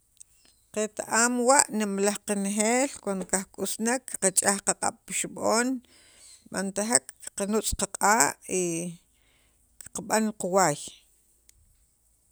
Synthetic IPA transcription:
qet̪aʔaːmwaʔnimlahqanxeːlkwand̪okahkʼusnakːqat͡ʃʼahqaqʼa̰ɓ̥piʃuɓoːn | ɓa̰nt̪aɦakːqanut͡sʼqaqʼaːʔi | kqaɓanquwaːj

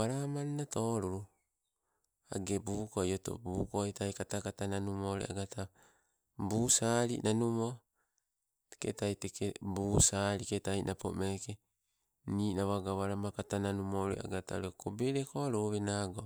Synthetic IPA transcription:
aɾamannato̞ːɾuɾu | a̰ɡe̞buːkojoto̰buːkojtajkatakatananumoɾḛa̰ɡata | buːsaɾḭnʔanumo | te̥kḛtajtekebuːsaɾiketajinʔapo̰meke | niːnaβaɡaβaɾamakatananumoɾḛa̰ɡatao̰ɾekobeɾekoaɾuβenaɡo

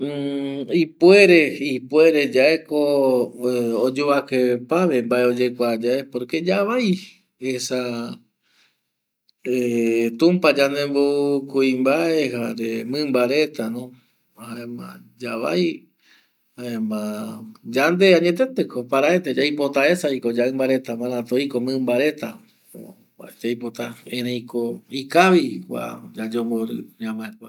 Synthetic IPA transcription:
ipwe̞ɾe̞ipwe̞ɾe̞d͡ʒae̞ko | od͡ʒoβakepaβe̞mbaeo̞d͡ʒekʷad͡ʒaepoɾked͡ʒaβaj | esa | et̪ũmpad͡ʒand̪ẽmboukuimbaehaɾemɨ̃mbaɾe̞t̪anõ | haẽmã̰d͡ʒaβa̰j | haẽmãd͡ʒand̪eaɲẽt̪et̪ekopaɾaet̪ed͡ʒajpo̞t̪ae̞saikod͡ʒaɨmbaɾe̞t̪amãɾãt̪oikomɨ̃mbaɾe̞t̪a | a̰d͡ʒajpot̪aẽɾẽjkoikaβikʷa̰d͡ʒad͡ʒomboɾɨɲãmãekʷa

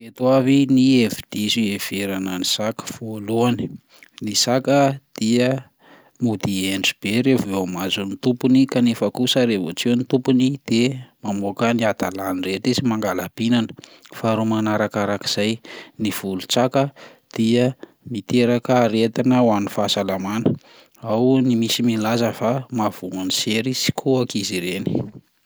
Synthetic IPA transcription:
et̪wavinievid̪̥iziev̥eɾanənisakə̥foluani̥ | nisakəd̪̥iə | mud̪ieɳɖ͡ʐib̥eɾevamazunit̪upunikanefakusəɾevot͡ʃiwnit̪upunid̪̥emamokəniat̪alanireʈ͡ʂizimaŋɡalab̥inanə̥faɾumanaɾakaɾaki̥z̥ajniv̥ulut͡sakə | d̪̥iə | mit̪eɾakəɾet̪inəwanifasalamanə | awnimisimilazəfamav̥uŋaniseɾisi̥kʰuakiziɾeni̥

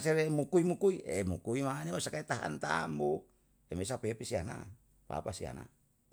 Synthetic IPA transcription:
seɾemukuimukuiemukuimanemasakait̪aɦa̰nt̪a̰mbo | emes̬apepisiana̰ | pa̰pasia̰na̰

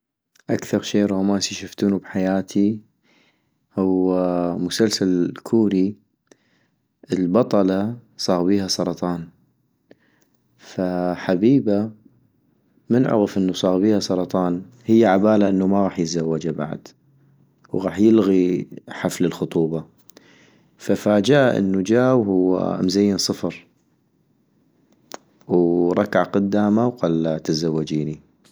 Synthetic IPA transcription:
ʔakθɑɾˤʃeːʔɾˤɑːmaːsiʃaft̪uːnubħajaːt̪ʰi | hʊwmʊsalsalkʰuːɾi | ʔəlbɑt̪ˤɑlɑsˤɑːɣbiːhasˤɑɾˤɑt̪ˤɑːn | faħabiːba | mənʕʊ̰ɣəfʔənːusˤɑːɣbiːhasˤɑɾˤɑt̪ˤɑːn | həjːaʕabaːlaʔənːumaɣɑːħjəzawːad͡ʒaba̰ʕ̰d̪ | wɣɑːħjəlɣiħafləlxʊt̪ˤuːbɑ | fafaːd͡ʒaʔʔə̰nːud͡ʒaːwhʊwːa̰mzajːɪnsˤɨfɾˤ | wɾˤɑkaʕqʊd̪ːaːmawqalːat̪azawːad͡ʒiːni

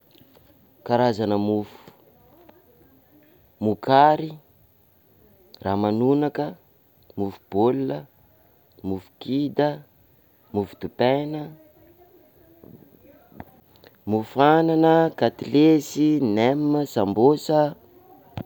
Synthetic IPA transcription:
kaɾazanəmufu̥ | mukaɾi | raːmanunakə | mufub̥olulə | mufu̥kid̪ə | mufu̥t̪upɛjnə | mufuananəkat̪ilesinemːəsambosə

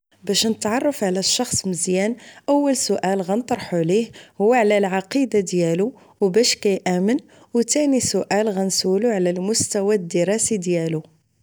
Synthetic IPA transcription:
bæʃnət̪ʕɑrˤːɑfʕlæʃːɑxsˤməzjænʔəwːəlsʊʔælɣænt̪ˤɾˤħulihhʊwːaʕlælʕɑqid̪ad̪jælu | wbæʃkæjʔæmən | wt̪ænisʊʔælɣænsuluʕlælmʊst̪æwæd̪əɾˤɑsid̪jælu

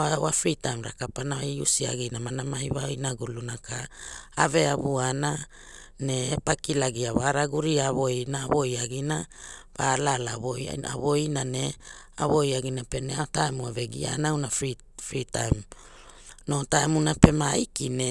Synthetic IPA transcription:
awafɾitajmɾa̰kapanaṵsia̰ɡinamanamaiβaoinaɡulunakaːve̞aβuana | neːpakilaɡiaβaɾaɡuɾiaβo̞inaːβo̞jaɡinaβalalaβoja̰a̰βo̞inane | aβo̞jaɡinapeneaotaemuave̞ɡḭa̰nawnafi | fɾitajm | no̞taemunape̞maikine

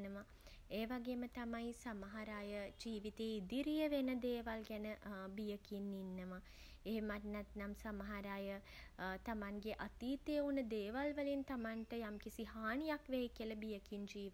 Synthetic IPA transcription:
nəʋa | eːʋaɡeːmət̪amajsamɐɦaɾaːjəd͡ʒiːʋit̪eːid̪iɾijəʋenəd̪eːʋalɡɛnəbijəkinːinːəʋa | eɦemaʈnɛt̪namsamaɦaɾaːjə | t̪amaŋɡeʔat̪iːt̪eːunəd̪eːʋalʋəlint̪amaɳʈəjamkisiɦaːɳijakʋeikiəlɐbijəkind͡ʒiːʋ

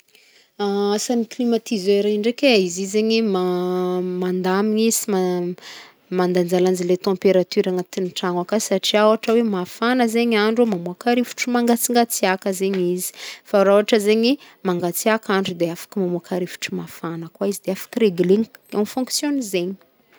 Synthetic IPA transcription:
aasaniklimat̪izeɾeɳɖ͡ʐekʲeizizeɲima | mand̪amiisima | mand̪and͡zaland͡zilet̪ɑ̃mpeɾat̪yɾaŋat̪inʈ͡ʂaŋakasaʈ͡ʂiawaʈ͡ʂəwemafanəzeɲaɳɖ͡ʐomamuakaɾifu̥ʈ͡ʂumaŋɡat͡siŋɡat͡siakəzeɲizi̥faɾauaʈ͡ʂəzeɲi | maŋɡat͡siakaɳɖ͡ʐud̪eafḁkimamuakaɾifu̥ʈ͡ʂumafanəkwaizid̪eafḁkireɡileɲafɔ̃ŋksjonizeɲi̥

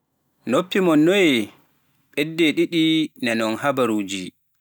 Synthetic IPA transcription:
nopːimɔnːɔjɛ | ɓɛdːɛɗiɗinɛnɔnhabaɾuːd͡ʒi

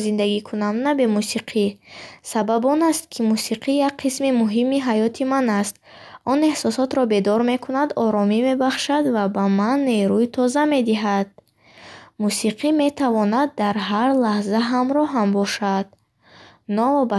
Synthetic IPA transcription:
zind̪aɡikʰunamnabe̞musiqʰisababɔnast̪̚kʰimusiqʰijak̚qʰismimuɦimiɦajɔt̪ʰimanast̪̚ɔne̞hsɔsɔt̪ɾɔbe̞d̪ɔɾme̞kʰunad̪ɔɾɔmime̞baχʃad̪vabamanːe̞ɾuit̪ʰɔzame̞d̪iɦad̪̥̚ | musiqʰime̞t̪ʰavɔnad̪ːaɾɦaɾlahzaɦamɾɔɦambɔʃad̪̥̚ | nɔɔba

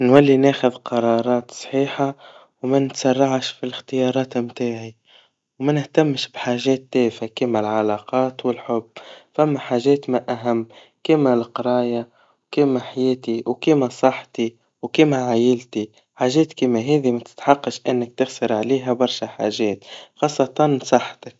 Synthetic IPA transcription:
nwalːinæːxʊðqɑɾˤɑːɾˤɑːt̪sˤħiːħa | wmænɪt̪sɑrˤːɑʕʃfilɪxt̪ɪjɑːɾˤɑːt̪mt̪aːʕi | wmænɪht̪amːʃbħaːʒɛːt̪ːɛːfakimælʕɑlɑːqɑːt̪wɪlħʊbːfæmːæħaːʒɛːt̪maʔæɦamː | kɪːmalqɑɾˤɑːja | wkiːmaħajeːt̪iwkiːmasˤɑħt̪i | wkiːmaʕaːjɪlt̪i | ħaːʒeːt̪kiːmaɦeːðimat̪ɪ̥t̪ħɑqːɑʃʔɪnːɪk̚t̪ɪɣsɑɾˤʕaleːɦabɑɾˤʃaħa̰ːʒeːt̪xɑːsˤːɑt̪ɑnsˤɑħːt̪ak̚

